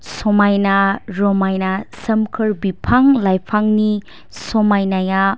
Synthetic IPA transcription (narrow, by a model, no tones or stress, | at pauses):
sɔmajnaɾɔmajnasɐmkʰɯɾbipʰaŋlajpʰaŋni | sɔmajnaja